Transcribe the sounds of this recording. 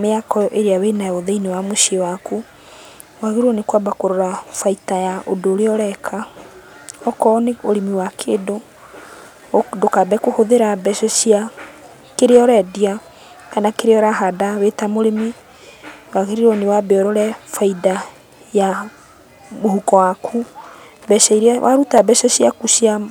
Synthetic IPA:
meakɔʔeɾeawenaoðeinewamoʃewaku | waɣeɾɔnekwabakoɾoɾafaitajaʔodoːɾeɔɾɛkʰa | ɔkɔneoɾemiwakʰeːdo | dokabɛkohoðeɾabɛʃɔɕia | keɾeɔɾɛdia | kanakeɾeɔɾaɦadawetamoɾeme | waɣeɾiɾɔnewabɛɔɾɔɾɛfaida | ja | mohukɔwakʰu | bɛʃɛiɾɛwʔaɾutabɛʃɔɕiakuʃja

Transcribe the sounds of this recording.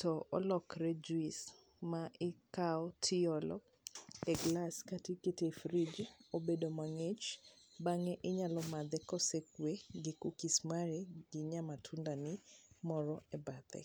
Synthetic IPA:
tɔɔ̰lɔkɾed͡ʒwis | maʔɪkaɔtʰɪɔlɔ | ɛɡlaskatiketefɾid͡ʒobedomaŋet͡ʃbaŋɛʔɪɲalɔmad̪ɛkɔsekweɡɪkukismaɾeɡɪɲamatʰundanɪmɔɾɔɛbad̪ɛ̰

